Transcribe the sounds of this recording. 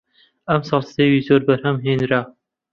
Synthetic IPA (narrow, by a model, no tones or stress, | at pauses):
ɐmsɑːlˠst̪ewiːzoɾbɐɾhɐmɦenɾa